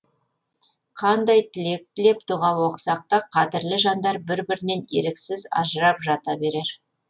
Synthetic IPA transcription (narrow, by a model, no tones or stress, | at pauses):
qʰɑnd̪ɑjt̪ʰɪlek̚t̪ʰɪle̞pt̪ʰʊʁɑwoqsɑq̚t̪ɑqʰɑd̪ɪɾlɪʒɑnd̪ɑɾbɪɾbɪɾɪne̞nḛɾɪksɪzɑ̰ʒəɾɑpʒɑt̪ɑbe̞ɾe̞ɾ